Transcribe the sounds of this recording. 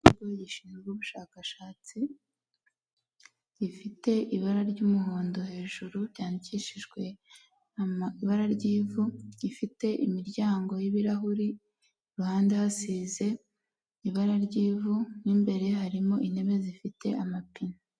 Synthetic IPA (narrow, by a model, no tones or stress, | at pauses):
uɡojiʃinɡuβuʃaːkaʃaːt͡si | jifite̞ʔiβaɾaɾɟuːmuhoːndohe̞ːʒuɾuɾɟaːniciʃiʒɡwe̞ | amiβaɾaɾɟiːvuifite̞ʔimiɾɟaːŋɡo̞jiβiɾaɦuɾi | uhaːndehasize̞ | iβaɾaɾɟiːvuniːmbe̞ɾe̞ɦaɾimo̞ʔine̞βe̞zifite̞amapina